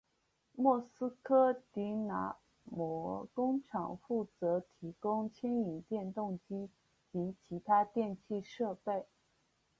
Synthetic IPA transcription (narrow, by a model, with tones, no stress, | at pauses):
mwɔ˥˩sɹ̩˥kʰɤ˥t̪i˧˥na̰˧˥ | mwɔ˧˥kʊ˥ŋʈ͡ʂʰɑ˨˩ŋfu˥˩t͡sɤ˧˥t̪ʰi˧˥kʊ˥ŋt͡ɕʰjɛ˥ni˨˩ŋt̪jɛ˥˧nt̪ʊ˥˩ŋt͡ɕi˥ | t͡ɕi˧˥t͡ɕʰi˧˥t̪ʰa˥t̪jɛ˥˧nt͡ɕʰi˥˧ʂɤ˥˧pe˥˩ɪ